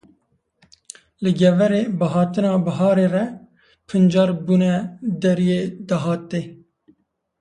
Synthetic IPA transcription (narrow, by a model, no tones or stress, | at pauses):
lɨɡɛvɛɾeːbɨɦɑːt̪ɨnɑːbɐɦɑːɾeːrɛ | pʰɨnd͡ʒɑːɾbuːnɛd̪ɛɾijeːd̪ɑɦɑːt̪ːeː